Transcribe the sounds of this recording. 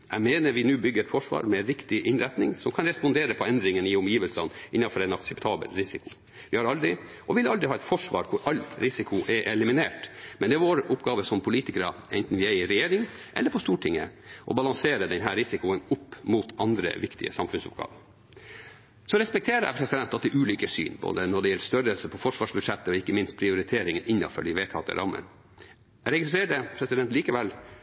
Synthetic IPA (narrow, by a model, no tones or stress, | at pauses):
æmeːnəɾʋɪnʉːbʏɡːəɾɛt̪fɔʂʋɑ̰ːɾmɛnɾɪkt̪ɪʔɪnɾɛt̪nɪŋsɔmkʰɑnɾɛspɔnd̪eːɾəpʰɔɛnd̪ɾɪŋənɪʊmjiːʋəlsɑnʔɪnːɑfɔɾɛɪnɑksɛpt̪ʰɑːbə̰lɾɪsɪkʰʊ̥ | ʋɪhɑɾɑld̪ɾɪ | ʔɔʋɪlɑld̪ɾɪhɑːɛt̪fɔʂʋɑ̰ːɾkʰʊɾɑlːɾɪsɪkʰʊʔɛʔɛlɪmɪneːʈmɛnd̪ɛʋoːɾʊpːɡɑːʋəsɔmpʰʊliːt̪ɪkəɾə̰ʔɛnt̪n̩ʋɪæɪɾɛjeːɾɪŋʔɛ̰lːəɾpʰɔst̪uːʈʰɪŋːə̰ʔɔ̰bɑlɑŋseːɾəd̪ɛnɦæːɾɪsɪkʊənʊpːmuːt̪ɑnd̪ɾə̰ʋɪkt̪ɪ̰ə̰sɑmfʉnsʊ̰p̚ɡɑ̰ːʋə | sɔɾɛspɛk̚t̪ʰeːɾəæ̰pʰɾɛsɪd̪ɛnt̪ɑt̪d̪ɛʔʉːlyːkəsy̰ːnbʰo̰ːd̪ənɔɖɛjɛlːst̪œɾəlsəpʰɔfɔʂʋɑːʂbʉd̪ʂɛt̪ːəɔɪkːəmɪnst̪̚pʰɾɪʊɾɪt̪ʰeːɾɪŋənɪnːɑ̰fɔ̰ɖɪʋeːt̪ʰɑt̪ə̰ɾʔɑ̰mːə̰n | ɾɛɡɪst̪ɾeːʈəpʰɾɛsɪd̪ɛnt̪liːkəʋɛl